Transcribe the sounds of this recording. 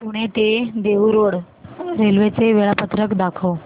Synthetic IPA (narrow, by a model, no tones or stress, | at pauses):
puɽ̃et̪ed̪eʋuɾoɽ | ɾelʋet͡seʋeɭapət̪ɾəkd̪akʰəw